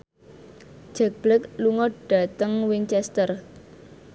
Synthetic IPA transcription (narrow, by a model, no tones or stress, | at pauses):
d͡ʒ̥ɛk̚b̥lɪk̚luŋɔɖ̥ä̤t̪əŋwɪŋt͡ʃɛst̪ər